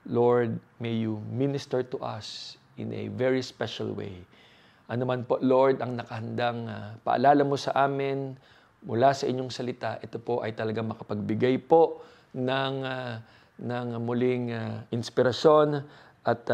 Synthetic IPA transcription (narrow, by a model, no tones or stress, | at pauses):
loɹd̪̚ | mɛjuminɪst̪ɛɹt̪ʊʔɐ̰s | ʔɪ̰nʔɛ̰vɛɹispɛʃɐ̰lwḛj | ʔɐnomanpo̞ʔlo̞ɹd̪ɐŋnɐkɐhɐnd̪aŋpɐ̰ʔɐ̰laːlɐmo̞sɐʔaːmɪn | mʊlasɐʔɪɲːo̞ŋsɐlɪt̪aʔɛt̪opo̞ʔɐ̰jt̪ɐlɐɡaŋmɐkɐpɐɡ̚bɪɡajpo̞ʔ | nɐŋa | nɐŋmʊlɪŋaʔɪnspɪɾɐʃo̞n | ʔɐt̪